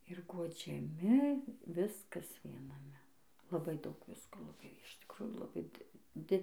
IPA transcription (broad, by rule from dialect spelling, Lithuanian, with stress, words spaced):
ɪr ɡuɔd͡ʒʲɛˈmʲɪ ˈʋʲɪskɐs ʋʲiɛnɐˈmʲɛ lˠɐˈbɐɪ ˈdɐʊk ˈʋʲɪskoː lˠɐˈbɐɪ ɪʃ tʲɪkˈrʊjuː lˠɐˈbɐɪ dʲɪ ˈdʲɪ